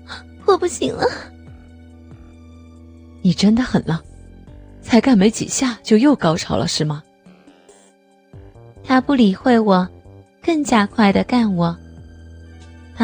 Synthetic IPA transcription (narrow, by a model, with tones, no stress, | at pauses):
xwɔ˥˧pu˥˩ɕi˨˧˥ŋlə˧ | ni˨˩ʈ͡ʂə˥nd̪ə˨xə˨˩nlə˥ | t͡sʰa˧˥ɪka˥˩nme˧˥ɪt͡ɕḭ˨˩ɕja˥˧t͡ɕjo˥˧ʊjo˥˩ʊkɑ˥ʊʈ͡ʂʰɑ˧˥ʊlə̰˧ʂɻ̩˥˩mɐ˩ | t̪ʰa˥pu˥˩li˨˩xwe˥˩ɪwɔ˨˩ | kɤ˥˩ŋt͡ɕja˥kʰwa˥˩ɪd̪ə˩ka˥˩nwɔ˨˩ | t̪ʰa˥